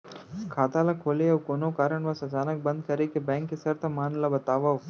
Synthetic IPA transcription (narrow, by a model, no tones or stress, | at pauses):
kʰaːt̪aːlakʰoːleɐʋkoːnokaːɾəɳʋɐsɐt͡ʃaːnɐk̚bɐnd̪̚kɐɾekebɛ̃ːŋkːesɐɾt̪ʰɐmaːnlɐbɐt̪aːʋɐʋ